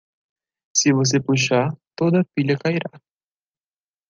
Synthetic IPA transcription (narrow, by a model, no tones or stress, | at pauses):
sɪvos̬epuʃat̪od̪ɐpiʎɐkaiɾa